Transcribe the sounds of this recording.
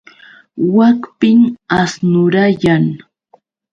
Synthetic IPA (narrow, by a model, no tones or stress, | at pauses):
wakpɪŋasnʊɾajaŋ